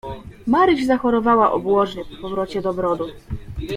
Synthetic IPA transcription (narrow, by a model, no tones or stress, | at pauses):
maɾɘʑzaxɔɾɔvawaʔɔ̰bwɔʐɲɛpɔpɔvɾɔt͡ɕɛd̪ɔbɾɔd̪u